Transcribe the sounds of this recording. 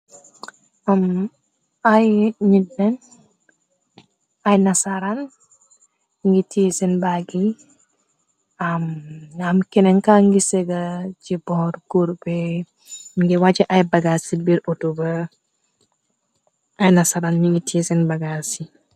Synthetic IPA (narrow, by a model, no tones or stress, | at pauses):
am | ajɲidɛn | ʔajnasaɾan | ŋɡitisɛnbaɡi | amamkɛnɛŋkaŋɡisɛɡad͡ʒibɔhɔɾɡuɾbɛ | ŋɡɛwad͡ʒɛʔajbaɡasibiɾutuba | ʔajnasaɾanmiŋɡitʰisɛnbaɡasi